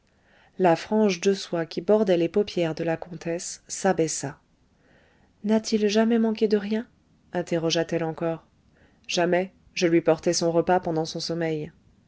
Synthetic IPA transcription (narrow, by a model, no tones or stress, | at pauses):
lafχɑ̃ʒd̪əswakʲibɔʁd̪ɛlepɔpjɛʁd̪əlakɔ̃t̪ɛsːabɛsa | nat̪ʰilʒamɛmɑ̃ked̪əʁjɛ̃ | ɛ̃t̪eʁɔʒat̪ɛlɑ̃kɔːʁ | ʒ̥amɛ | ʒəlɥipɔʁt̪ɛsɔ̃ʁəpapɑ̃d̪ɑ̃sɔ̃sɔmɛj